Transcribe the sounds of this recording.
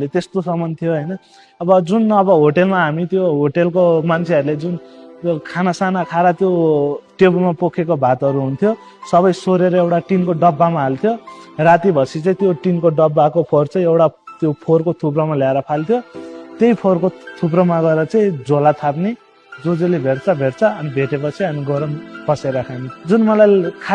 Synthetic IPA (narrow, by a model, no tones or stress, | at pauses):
let̪est̪osʌmʌnt̪ʰijoɦʌjnʌ | ʌbʌd͡zunʌbʌɦoʈelmaɦamit̪joɦoʈelkomant͡sʰeʌɾuled͡zunkʰanasanakʰaɾat̪joʈebulmapokʰekobʱat̪ʌɾuɦunt̪ʰjo | sʌβʌjsoɾeɾʌewʈaʈinkoɖʌbːamaɦalt̪ʰjorat̪ibʱʌsit͡saĩt̪joʈinkoɖʌbːakopʰort͡sãĩewʈat̪jopʰorkot̪ʰuprʌmaljaeɾʌpʰalt̪ʰjot̪jejpʰorkot̪ʰuprʌmaɡʌeɾʌt͡saĩd͡zolat̪ʰaɾni | d͡zod͡zolebʱeʈt͡sʰʌbʱeʈt͡sʰʌʌnibʱeʈepʌt͡sʰiʌniɡʌɾʌnpʌseɾakʰanid͡zunmʌlajkʰa